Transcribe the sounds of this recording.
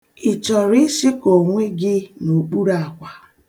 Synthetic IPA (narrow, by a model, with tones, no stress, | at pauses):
ɪ˨t͡ʃɔ˨ɾɪ˦si˦ko˨ŋʷe˦ɡɪ˦no˨k͡pu˦ɾa˨kʷa˨